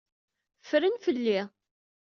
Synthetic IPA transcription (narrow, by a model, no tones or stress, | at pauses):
fɾənfəlːi